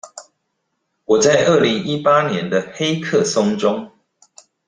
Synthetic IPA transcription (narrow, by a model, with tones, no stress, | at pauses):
wɔ˨˩t͡sa˥˧ɪʔə˥˨li˨˦ŋi˦pa˦˥njɛ˨˦nd̪ə˧xe˥˦ɪkʰɤ˥˨sʊ˥˦ŋʈ͡ʂʊ˦ŋ